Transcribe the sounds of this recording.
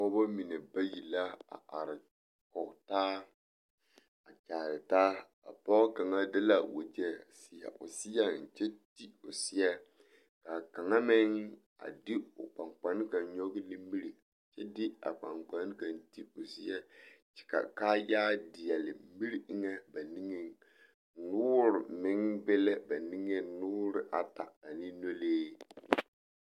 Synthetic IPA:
ɔ˦ba˦mi˨nɛ˨ba˦ji˨la˦a̰˨ʔa˨ɾɪ˨ | kɔ˨ktaː˦ | a˨t͡ʃaː˨ɾɪ˨taː˦ | a̰˨pɔ˦ka˨ŋa˦dɪ˦la˦wo̰˨d͡ʒɛ˦˨si˨ja̰˨ʔʊ˨si˦ja˦n̩˨t͡ʃɛ˦ti˦ʊ˨sɪ˦jɛ˦ | ka˨ka˨ŋa˦mɪ˦ŋ | a̰˨dɪ˦ʊ̰˨k͡pa˨ŋk͡pa˨˦n˦ka˨nɲɔ˦ɡɪ˦li˦mi˦ɾi˨ | t͡ʃɛ˦dɪ˦a̰˨k͡pa̰˨ŋk͡pa˨˦n˦ka˨nti˦ʊ˨si˦ɛ˦t͡ʃɛ̥˨ka̰˨ka˦ja˦dɪ˨jɛ˨lɪ̰˨mi˦ɾi˦ŋɛ˦ba˨ni˦ŋe˦ | nʊː˦ɾʊ˨mɪ˦ŋbɛ˦lɛ˦ba˨ni˦ŋe˦nʊː˦ɾɪ˦ʔa˨ta̰˨a˨ni˦no˦leː˦

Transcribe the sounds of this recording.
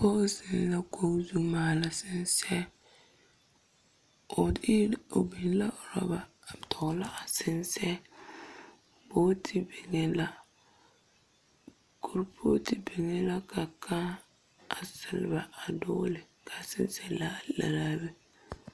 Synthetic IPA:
kɔ˦sɪ˨n˦la˦ko˦zu˦maː˨la˨sɪ˨nsɛ˦ | ʊ˨dɪ˦o˨bi˨n˦la˦ʊ˨ɾɔ̰˦ba˨ | tʰɔ˨˦la˦ʔa˨sɪ˦nsɛ˦ | bo˦tʰi˨be˨ŋe˦la˦ | ko˨ɾpʰo˦ti˨be˨ŋe˦la˦ka˨kʰa˦ | a˨sɪ˨lba˨a˨dɔː˦lɪ˨ | kʰa˨sɪ˦nsɛ˦la˦la̰˨ɾaː˦bɛ˦

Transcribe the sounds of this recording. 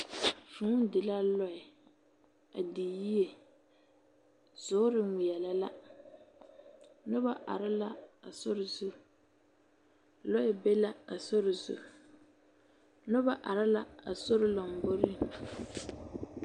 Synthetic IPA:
fũ˨˦dɪ˨la˦lɔ˦ɪ˨ | a˨di˨ji˦e˨ | z̥ʊ˨˦ɾɪ˦˨m̩˨˦wɪ˨jɛ˨la˨la˦ | nʊ˦ba˦ʔa̰˨ɾɪ˦la˦a˨sʊ˦ɾɪ˨zu˦ | lɔ˦ɛ˨be˦la˦a˨so˦ɾɪ˨zʊ̰˨ | nʊ˦ba˦ʔa˨ɾɪ˦la˦a˨so˦ɾɪ˦lɔ˨m̩˨bo˦ɾɪ˨

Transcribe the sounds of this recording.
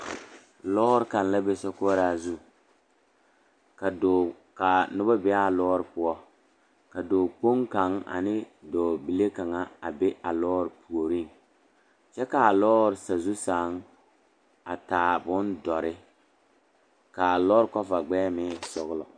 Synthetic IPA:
lɔ˦ɾɪ˦ka˨n˦la˦be˦sɔ˦ko˦ɾa˦zu˦ | ka˨do˨ | ka˨nʊ˦ba˦bɛ˦a˦˨lɔː˦ɾɪ˨pʊ˦ɔ˦ | ka˨doː˨k͡po˦ŋka˨˦ŋa̰˨nɪ˦dɔː˨bi˨le˦ka˨ŋa˨a˨be˦ʔa˨lɔː˦ɾɪ˨pʰu˨o˨ɾi˦˨ŋ | t͡ʃɛ˦ka˨a˨lɔː˦ɾɪ˨sa˨zu˦saː˨˦ŋ | a˨taː˨bʊ˦ndɔ˨ɾɪ˦ | ka˨a˨lɔː˦ɾkɔ˦fa˨ɡ͡bɛː˦mɪ˦sɔ˨ɣlɔ̰˨

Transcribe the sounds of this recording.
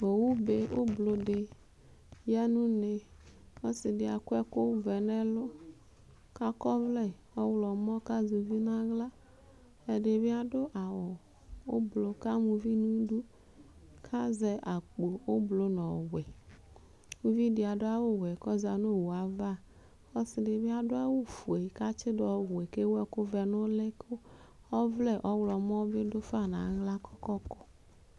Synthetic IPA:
o˨wu˦be˦wo˦blo˨ɖe˨ | ja˦nũ˦ne˨wo˦si˨ɖe˨a˨kʷɛ˦ko˦vɛ˨nɛ̃˦lo˦ | ka˦kɔ˦vlɛ˦˨wɔ˦wlɔ˨mɔ̃˦ka˦zu˨vi˦nã˦ɣla˦ | e˨ɖe˨be˦a˨ɖo˦ʔa˨wɔ˨ | wo˦blo˨ka˦mũ˨vi˦nũ˦du˦ | kʰa˦zɛ˦ʔa˨k͡po˨wo˦blo˦nɔ̃˨wɛ˨ | mu˦vi˦di˨a˨do˦a˦wo˦wɛ˨kɔ˦za˨no˦˨wo˨a˨va˦˨ | ɔ˦sɪ˨de˨bɪ˦a˨dʊ˦a˦wo˦fu˨e˨i˨ka˦t͡ʃɪ˦dɔ˨wʷɛ˨ke˦wɛ˦kʊ˦vɛ˨nʊ˦lɛ˦kʰo˦ | ɔ˦vlɛ˦ʔɔ˦wlɔ˨m˦ɔ̃˦vɪ˦dʊ˦fa˦˨nã̰˨˦ɣla˦kʰɔ˦kɔ˦kɔ˦

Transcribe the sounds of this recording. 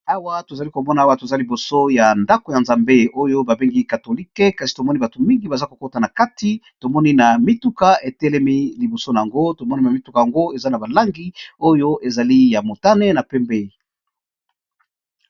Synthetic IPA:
a˦wa˦to˨za˨li˦ko˨mɔ˦na˨a˦wa˦to˨za˦li˨bo˨so˦ja˨nda˦ko˨ja˨nza˨mbe˦o˦jo˦ba˨be˦ŋɡi˦ka˨to˨li˦kɛ˦ka˨si˨to˨mɔ˦ni˦ba˨to˨mi˦ŋɡi˨ba˨za˦ko̥˨ko˦ta˨na˨ka˦ti˦ | to˨mɔ˦ni˦na˨mi˦tu˦ka˨e˨tɛ˦lɛ˦mi˦li˨bo˨so˦na˨ja˨ŋɡo˦to˨mɔ˦ni˦na˨mi˨˦tu˦ka˨ja˨ŋɡo˦e˨za˦na˨ba˨la˦ŋɡi˦o˦jo˦ʔe˨za˨li˦ja˨mo˨ta˦nɛ˦na˨pɛ˦mbe˦˨

